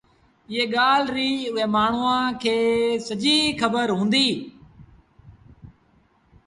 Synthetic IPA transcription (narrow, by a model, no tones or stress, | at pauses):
ɪɦeːɠaːlɾiːʊɦẽːmaːɳ̤ʊːãːkʰeːsəd͡ʒiːkəbəɾɦũːnd̪iː